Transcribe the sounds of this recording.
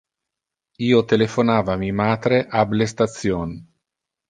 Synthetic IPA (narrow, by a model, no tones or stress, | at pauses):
iːot̪elefonaːvamimaːt̪ɾeʔablest̪at̪sjon